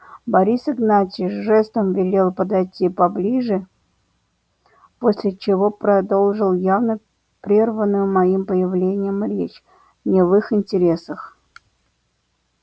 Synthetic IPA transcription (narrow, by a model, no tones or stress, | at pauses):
bɐɾʲisɪɡnatʲiʐɛst̪əmvʲɪlʲe̞lˠpəd̪ɐjtʲːipɐblʲiʐɨ | posʲlʲɪt͡ɕɪvo̞pɾɐd̪o̞lˠʐɨlˠjavnə | pɾʲe̞rvənːʊjʊmɐimpəjɪvlʲenʲɪjəmɾʲet͡ɕ | nʲɪvɨxɪnʲtʲɪɾʲe̞səx